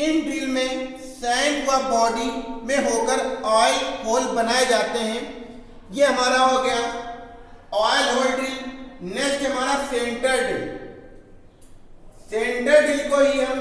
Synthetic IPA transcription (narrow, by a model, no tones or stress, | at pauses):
ɪnɖiːlmẽ | sɛ̃ːɳʈwabɔːɖimẽɦoːkəɾaːɪlɦoːlbɐnaːed͡ʒaːt̪eɦɛ̃ | jeɦɐmaːɾaɦoɡɐja | aːɪlɦoːlɖinɛsɦɐmaːɾasẽːɳʈəɾɖiːl | sẽːɳɖəɾɖiːlkoɦiɦɐm